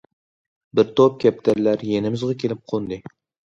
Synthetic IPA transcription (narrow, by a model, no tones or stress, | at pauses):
bɪɾt̪ʰop̚kʲap̚t̪ʰaɾlaɾjenɪmɪzʁɑkʲʰelɪp̚qʰond̪ɪ